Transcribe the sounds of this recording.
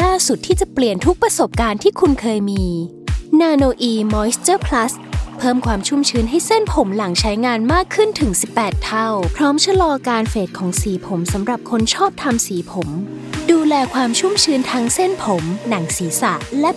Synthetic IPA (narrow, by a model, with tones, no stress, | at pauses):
laː˥˩su˨˩t̪ʰːiː˥˩t͡ɕa˨˩pli˨˩ənt̪ʰu˦˥k̚pɾa˧so˨˩p̚kaː˧nt̪ʰiː˥˩kʰu˧nkʰɤː˧jmiː˧ | naː˧noː˧ʔiː˧mɔː˦˥st̪ɤː˥˩pʰla˦˥s | pʰɤː˥˩mkʰwaː˧mt͡ɕʰu˥˩mt͡ɕʰɯː˧nɦa˥˩jse˥˩npʰo˩˦mla˩˦ŋt͡ɕʰa˦˥jŋaː˧nmaː˥˩kʰːɯ˥˩nt̪ʰɯ˩˦ŋsi˨˩pːɛː˨˩t̪ʰːa˥˩wpʰɾɔː˦˥mt͡ɕʰa˧lɔː˧kaː˧nfeː˨˩t̪̚kʰɔː˩˦ŋsiː˩˦pʰo˩˦msa˨˩˦mɾa˨˩p̚kʰo˧nt͡ɕʰɔː˥˩p̚t̪ʰa˧msiː˩˦pʰo˩˦m | duː˧lɛː˧kʰwaː˧mt͡ɕʰu˥˩mt͡ɕʰɯː˦˥nt̪ʰa˦˥ŋse˥˩npʰo˩˦mna˩˦ŋsiː˩˦sa̰˨˩ʔlɛ˦˥